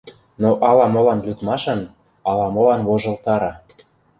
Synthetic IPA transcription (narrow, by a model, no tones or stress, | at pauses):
noʔɑlɑmolɑnlʲyt̪mɑʃɤ̆n | ɑlɑmolɑnβoʒɤ̆lt̪ɑɾɑ